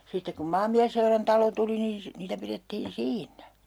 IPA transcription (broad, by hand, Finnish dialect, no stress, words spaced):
sitːek kum mɑːmːiæsːeurɑntɑlo tuli niːn̞ si niːtæ piretːiːn siːnːæ